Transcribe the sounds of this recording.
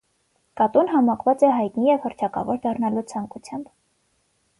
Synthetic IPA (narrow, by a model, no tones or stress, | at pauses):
kɑt̪unɦɑmɑkʰvɑt͡sɛɦɑjt̪nijɛvhəɾt͡ʃʰɑkɑ̰vɔɾd̪ɑrnɑlut͡sʰɑŋkut͡sʰjɑmb